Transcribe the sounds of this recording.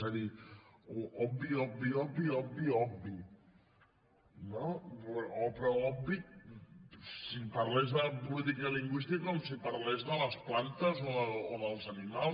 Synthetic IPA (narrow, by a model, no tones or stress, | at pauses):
əðioɔbbiɔbbiɔbiɔbiɔbbi | no | opɾɔɔbbik̚ | sipɐɾlɛzðəpulit̪̬ikəliŋɡwist̪ikaomsipɐɾlɛzðələsplant̪əzooðəlˠzɐnimal